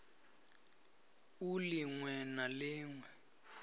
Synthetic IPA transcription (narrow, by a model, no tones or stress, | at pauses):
uliŋwɛnalɪːŋwɛ